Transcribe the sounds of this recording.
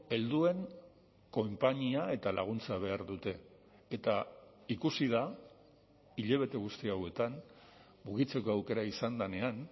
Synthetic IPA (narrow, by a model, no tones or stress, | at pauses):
e̞ld̪ue̞ŋ | ko̞mpaɲiae̞t̪alʔaɣ̞unt͡saβ̞e̞aɾðut̪e̞ː | t̪a | ikusiða | iʎe̞β̞e̞t̪eɣ̞ust̪iawe̞t̪an | muɣit͡se̞ko̞awke̞ɾaisand̪ane̞an